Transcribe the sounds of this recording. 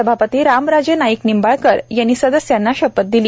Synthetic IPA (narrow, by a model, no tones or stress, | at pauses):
əbʱapət̪iːɾamɾad͡ʑənajiknimbaɭkəɾjanːiːsəd̪əsjanːaɕəpət̪̚d̪iliː